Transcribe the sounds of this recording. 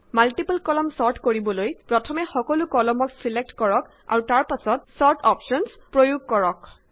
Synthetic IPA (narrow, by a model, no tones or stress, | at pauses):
malʈipalkɔlɔmsɔɹʈʰkoɹibɔlojpɹɔtʰɔmɛxɔkɔlukɔlɔmɔksilek̚tkɔɹɔk | a̰ɹutaɹpasɔt̚sɔɹtʰɔpʃɔnspɹojuɡ̚kɔɹɔk